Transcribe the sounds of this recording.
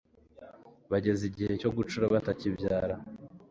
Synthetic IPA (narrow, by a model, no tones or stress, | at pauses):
βaɟe̞ziɟihe̞co̞ɡut͡ʃuɾaβatacibjaːɾa